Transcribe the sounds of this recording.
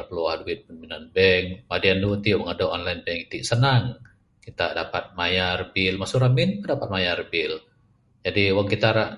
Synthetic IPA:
pəluadwit̪̚pənminanbɛŋmadiandut̪iwəŋadoɔnlajnbɛŋit̪iʔsənaŋ | kit̪adapat̪̚majarbɪlmasuɾamint̪ədapat̪̚majarbɪl | d͡ʒadiwaŋkit̪aɾa

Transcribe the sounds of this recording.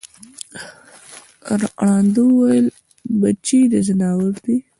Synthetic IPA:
ɾɽɑnd̪uwajəl | bat͡ʃid̪əzɪnɑwəɾd̪i

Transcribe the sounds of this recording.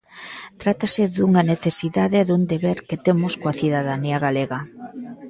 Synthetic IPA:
t̪ɾat̪asɪðuŋaneθesiðaðeðund̪eβeɾket̪emʊskoaθiðaðaniaɣaleɣɐ

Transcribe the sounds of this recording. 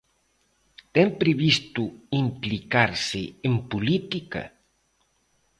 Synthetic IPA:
t̪ɛmpɾeβist̪uimplikaɾsɪempulit̪ikɐ̰

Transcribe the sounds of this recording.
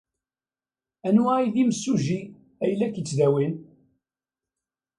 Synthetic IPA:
ænailiməsːuʒi | æjlːækət͡sːðæwin

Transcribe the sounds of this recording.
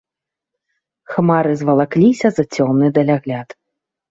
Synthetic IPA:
xmaɾɨzvɐlˠaklʲisʲɐzɐt͡sʲɔmnɨd̪ɐlʲaɣlʲat̪

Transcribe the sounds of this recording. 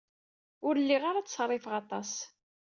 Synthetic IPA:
ʊɾlːiʁaɾat͡sːsrˤefəʁɑt̪ˤɑs

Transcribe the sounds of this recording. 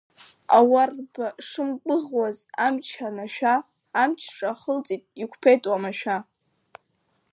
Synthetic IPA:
a̰warbaʂɨmkʷʼɨʁwazamt͡ʃʰanaʃᶣaː | mt͡ʃʰʈ͡ʂʼaχəlt͡sʼitʼikʷʰpʰe̞jtʼwamaʃᶣa

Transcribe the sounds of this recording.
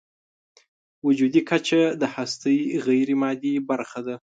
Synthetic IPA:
wʊd͡ʒud̪ikʰat͡ʃad̪əhast̪əjɣajɾimɑd̪ibaɾxad̪a

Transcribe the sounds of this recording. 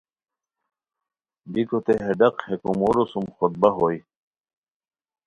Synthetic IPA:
bikot̪eɦeɖɐqhekumoɾosumxod̪̚bɐɦoːj

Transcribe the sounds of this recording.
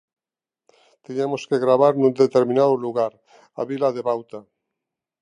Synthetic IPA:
t̪iɲemoskeɣɾaβaɾnũnd̪et̪eɾmĩnaðoluɣaɾ | a̰βilaðeβawt̪a

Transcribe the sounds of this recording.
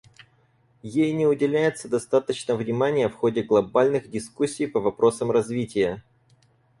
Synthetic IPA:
jejnʲɪʊdʲɪlʲæjɪt̪səd̪ɐst̪at̪ət͡ɕnəvnʲɪmanʲɪjəfxodʲɪɡlˠɐbalʲnɨɣdʲɪskusʲːijpəvɐpɾo̞səmrɐzvʲitʲɪjə

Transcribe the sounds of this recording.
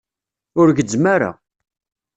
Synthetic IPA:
ʊɾʝəd͡zːmaɾa̰

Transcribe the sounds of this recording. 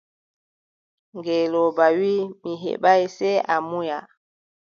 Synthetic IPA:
ŋɡɛlɔbawimiɦḛɓajsɛʔamuja

